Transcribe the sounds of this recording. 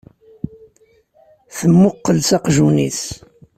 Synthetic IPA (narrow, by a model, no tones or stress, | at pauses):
θəmːʊqːəlsɑqʒuniθ